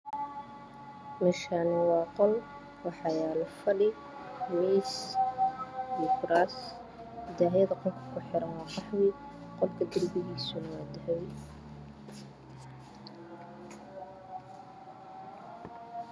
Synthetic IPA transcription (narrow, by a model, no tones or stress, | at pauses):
mɛʃanɐwɑːqɔl | wɑħɑjaːlɐfɐɽɪ | miːs | jɛkʊɾas | ɪd̪aːjɐðɐqɔlkʰɐ̥kʰʊħɪɾɐnwɑːkɑħwɪ | qɔlkʰɐd̪ɪrbɪɣiːsʊnɐwaːd̪ɐɦɛj